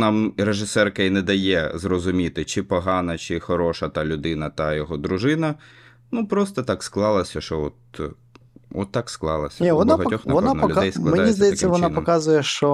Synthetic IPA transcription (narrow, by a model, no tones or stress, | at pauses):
nɑmɾeʒɪsɛrkɐinɛd̪ɐjɛzrɔzʊmʲit̪ɪt͡ʃɪpɔɦɑnɐt͡ʃɪxɔɾɔʃɐt̪ɐlʲʊd̪ɪnɐt̪ɐjɔɦɔd̪ɾʊʒɪnɐ | nupɾɔst̪ɐt̪ɑksklˠɑlˠɐsʲɐʃɔɔt̪̚ | ɔt̪ːɑksklˠɑlˠɐsʲɐnʲiʋɔnaɦɐt̪ʲɔxnɐɔnanɔlʊd̪ɛjsklˠɐdmenajʲizsd̪ʲɐjɛɐːɐmʋɔnanpɔmkɑzʊjɛʃt͡ʃɔ